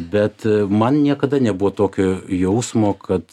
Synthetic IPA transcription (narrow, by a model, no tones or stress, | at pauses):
bʲɛt̪mɐnnʲiɛkɐd̪ɐnʲɛbuʋoːt̪oːkʲoːjɛʊsmoːkʰɐt̪